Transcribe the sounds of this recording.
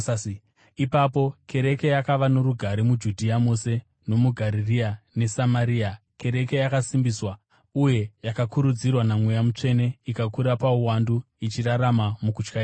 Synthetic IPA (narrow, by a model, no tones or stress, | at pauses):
ipapo̞kʰe̞ɾe̞ke̞jakaʋano̞ɾuɡʱaɾimud͡ʒudʱiamose̞ | no̞muɡʱaɾiriane̞samaɾia | ke̞ɾe̞ke̞jakasimbiswa | uje̞jakakuɾud͡zirwanamwejamut͡ʂe̞ne̞ikakuɾapauwandu | it͡ʃiraɾamamukut͡ʃkai